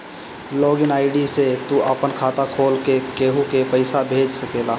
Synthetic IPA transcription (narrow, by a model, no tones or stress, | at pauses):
loːɡɪnaːɪɖiset̪uʔəpənkʰaːt̪akʰoːlkekeːɦukepəɪsabʱeːd͡ʒsəkeːlaː